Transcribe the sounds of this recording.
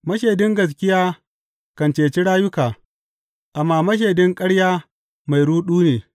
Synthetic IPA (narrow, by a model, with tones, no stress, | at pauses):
mɐ˦ʃeː˨dɪ˦ŋɡɐ˨s̬kʲɪ˦jaː˦ | kɐ˨nt͡ʃeː˨t͡ʃi˦ɽaː˦jʊ˦kaː˨ | ʔa˨mːaː˨mɐ˦ʃ̬eː˨dɪ˦ŋkʼɐ˦ɽjaː˦ | ma˨jɽuː˦ɗuː˦neː˨